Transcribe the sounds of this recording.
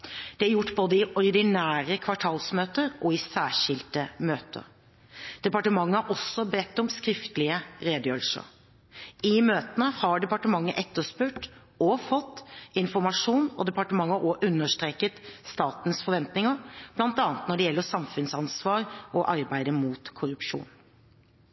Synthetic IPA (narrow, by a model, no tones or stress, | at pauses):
d̪̥ɛæɾjʊʈːboːd̪əɪʔɔɾd̪ɪnæːɾəkʰʋɑʈʰɑːlsmøːt̪əɾʔɔɪsæːʂɪlt̪əmøːt̪ʰə̰ | d̪̥ɛpɑʈəmɑŋːəæɾʔɔsːɔbɛt̪ːɔmskɾɪft̪əlɪəɾeːd̪ɪœlsɔ̰ | ɪmøːt̪ənəhɑɖɛpɑʈəmɑŋːəʔɛt̪ːəspʉːʈ | ɔfɔt̪ːɪnfɔɾmɑʂuːnɔd̪ɛpɑʈəmɑŋːəoʔʉnːəʂt̪ɾeːkət̪st̪ɑːt̪n̩sfɔɾʋɛnt̪nɪŋəɾb̥lɑnt̪ɑːnət̪nɔɖɛjɛlːəsɑmfʉnsɑnsʋɑːɾʔɔʔɑɾbæɪd̪əmuːt̪kʰʊɾʉpʂṵːn